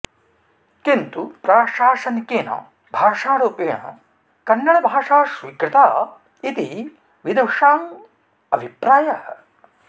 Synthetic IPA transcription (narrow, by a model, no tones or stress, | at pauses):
kint̪upɾaːʂaːʃɐnkeːnɐ̰ | bʱaːʂaːɽoːpeːɳɐ̰ | kɐnːɐɭɐbʱaːʂaːʃʋiːkɾɪt̪aː | it̪i | ʋid̪ɐʂaːm | ɐbʱipɾaːjɐhɐ